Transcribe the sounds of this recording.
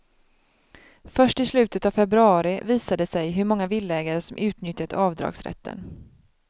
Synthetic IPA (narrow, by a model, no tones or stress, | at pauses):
fœʂʈɪslʉ̟ːt̪ət̪avfɛbɾɵɑːɾɪviːsad̪əsɛjɦɵɾmɔŋːavɪlːɛːɡaɾəsɔmʔʉ̟ːt̪nʏt̪ːat̪ɑːvd̪ɾɑ̰ːɡsɾɛ̰t̪ʰːə̰n